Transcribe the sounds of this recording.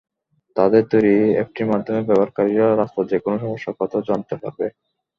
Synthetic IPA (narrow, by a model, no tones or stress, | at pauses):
t̪ad̪eɾt̪ojɾiḛk̚ʈimad̪ʱːomebɛbaɾkaɾiɾaɾast̪ad͡ʑekonoʃɔmoʃːakɔt̪ʰad͡ʑant̪epa̰ɾbe